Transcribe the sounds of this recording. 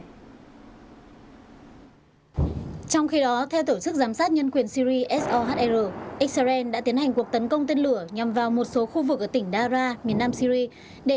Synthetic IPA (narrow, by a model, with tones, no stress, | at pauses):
t͡ɕɔ˧wŋ͡mxi˧ɗɔ˨˦t̪ʰɛ˧wt̪o˧˩t͡ɕɨ˦˥k̚zaː˨˦msaː˦˥t̚ɲə˧nkwi˨˩ənsi˧ɾi˧ʔɛ˦˥s̚ʔɔ˧ɦa˦˥t̚ʔɛ˧zəː˧˩ʔi˦˥k̚sa˧zɛ˧nɗa̰ː˧˥t̪i˨˦ənha˨˩jŋ̟ku˨˩ət̪ə˨˦nkə˧wŋ͡mt̪e˧nlɨ˧˩əɲa˨˩mvaː˨˩wmo˨˩t̚so˨˦xu˧vɨ˨k̚ːəː˧˩t̪ï˧˩ŋ̟ɗaː˧zaː˧mi˨˩ənːaː˧msi˧ɾi˧ | ɗe˧˩